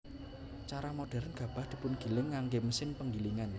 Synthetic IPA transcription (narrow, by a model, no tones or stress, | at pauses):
t͡ʃaɾamoɖ̥ɛ̤ɾnɡ̥ä̤b̥a̤hd̪̥i̤pʊnɡ̥i̤lɪŋːaŋɡeməsɪnpəŋɡiliŋan